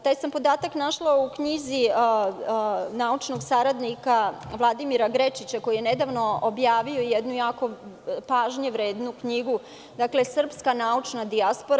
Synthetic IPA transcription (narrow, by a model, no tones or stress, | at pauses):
t̪aːjsampo̞d̪aːt̪aknaʃlˠaukɲizi | naut͡ʂno̞ɡsaɾad̪nikaʋlˠad̪imiɾaɡɾet͡ʃit͡ɕako̞jije̞ned̪aʋno̞objaːʋio̞jed̪nujaːko̞paːʒɲeʋɾe̞ːd̪nukɲiɡu | d̪akle̞sr̩pskanaut͡ʂnad̪iaspoɾa